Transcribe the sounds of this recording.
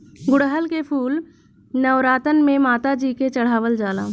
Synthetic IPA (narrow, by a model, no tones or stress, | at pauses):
ɡʊɽɦəlkepʰuːl | nəʋɾaːt̪ənmẽmaːt̪ad͡ʒiːket͡ʃəɽ̤aːʋəld͡ʒaːla̰ː